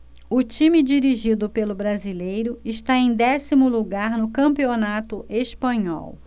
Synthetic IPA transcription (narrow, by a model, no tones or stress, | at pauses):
ʊt͡ʃĩmid͡ʒiɾiʒid̪ʊpelʊbɾazilejɾʊɪʃt̪aẽj̃d̪ɛsimʊluɡaɾnʊkɐ̃mpionat̪ʊʔespɐ̃ɲɔ̰w